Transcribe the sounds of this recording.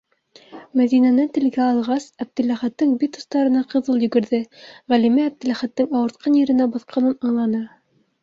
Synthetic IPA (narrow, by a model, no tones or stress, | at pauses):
mæðinænæt̪ɘ̆lɡæɑlˠʁɑsæb̚d̪ɘ̆læχæt̪ːɤŋbit̪ust̪ɑɾɤ̆nɑqɤ̆ðɤlˠjɵ̆ɡɵ̆ɾðɘʁælimæːb̚d̪ɘ̆læχæt̪ːɘŋɑwɤ̆ɾt̪̚qɑnjɘ̆ɾɘ̆næbɑθqʰɑnɤnɑɴlˠɑnɑ